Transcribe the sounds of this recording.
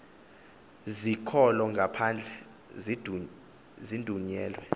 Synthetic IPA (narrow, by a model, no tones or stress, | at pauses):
zikʰɔlɔŋɡʱapʰand͡ɮʱɛ | d | zindʱuɲɛːlwɛ